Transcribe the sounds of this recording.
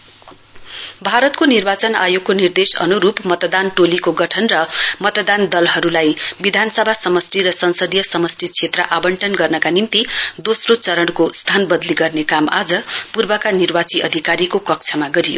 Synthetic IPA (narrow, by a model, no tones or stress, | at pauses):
bʱaɾʌt̪konirbat͡sʌna̰jokkonird̪esʌ̰nuɾupmʌt̪d̪anʈolikoɡʌʈʰʌnrʌmʌt̪d̪and̪ʌlɦʌɾulajbid̪ʱanʌsʌbʱasʌmʌsriɾʌsʌnsʌd̪ijʌsʌmʌsrit͡sʰet̪rʌʔabʌɳʈʌnɡʌrnʌkanimt̪id̪osrot͡sʌɾʌɽ̃kost̪ʰanbʌd̪liɡʌrnekama̰d͡zʌpurbʌkanirbat͡siʔʌ̰d̪ʱikaɾikokʌk̚t͡sʰʌmaɡʌɾijo̰